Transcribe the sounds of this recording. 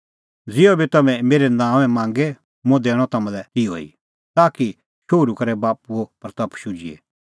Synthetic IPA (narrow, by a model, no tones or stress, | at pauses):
d͡zɪobʱit̪ɐmɛ̃meːɾɛnãːʋɛ̃mãːŋɡɛ | mõd̪eːɽ̃ɔt̪ɐmãlɛt̪io̰ḭ | t̪aːki | ʃoːɾukɐɾɛbaːpuopɐɾt̪ɐpʃʊd͡ʒiḛ